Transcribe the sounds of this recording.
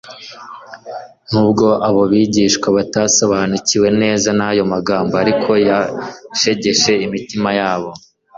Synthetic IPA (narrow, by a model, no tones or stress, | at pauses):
n̥ubɡo̞ʔaβo̞βiːɟiːʃkwaβataso̞βanuciwe̞ne̞ːzanajo̞maɡaːmboaɾikʰo̞jaʃe̞ɟe̞ʃe̞imitimajaːβo̞